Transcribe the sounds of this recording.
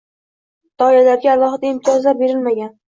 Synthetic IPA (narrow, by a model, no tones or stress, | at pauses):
d̪̥ɒɪlalaɾɡʲaːlˠɒɦɨd̪aɪmt̪ʰɒzlaɾbeɾɪlmaɡʲan